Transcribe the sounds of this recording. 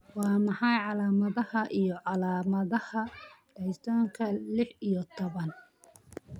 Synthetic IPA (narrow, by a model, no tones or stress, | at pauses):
wɑːmɑħɑjʕɑlaːmɐðɐhɐʔijɔʕɑlaːmɐðɐhɐɖ̥ɛjt̪ʰaːŋkʰɐlɪħijɔt̪ʰɔβɐn